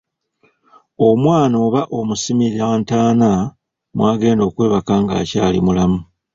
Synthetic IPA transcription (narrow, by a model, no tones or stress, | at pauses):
o̞mwaːno̞ːβaʔo̞musimiɾaːntaːna | mwaːɡe̞ːndo̞ːkwe̞ːβakaŋɡa̰ːcaːlḭmulamu